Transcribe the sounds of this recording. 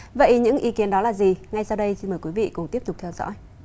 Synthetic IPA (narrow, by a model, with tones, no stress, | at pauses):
və̰˧˨jɲɨ̰˧˥ŋʔi˨˧˦ki˨˦ənɗɔ˨˦laː˨˩zi˨˩ŋa˧jsaː˧wɗə˧jsi˧nməː˨˩jkwi˨˦vḭ˧˨kʊ˨˩ŋ͡mt̪i˦˥əp̚t̪ʊ˨˩k͡p̚t̪ʰwzɔ̰˧˥j